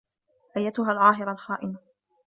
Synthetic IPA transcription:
ʔajːat̪ʊɦaːlʕɑːɦɪɾˤɑlxaːʔɪma

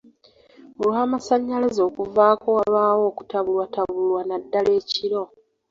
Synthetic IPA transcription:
uluamasaɲːalazo̞ːkuvaːko̞walaːwo̞ːku̥taβulwataβulwanadːale̞ːciɾo̞

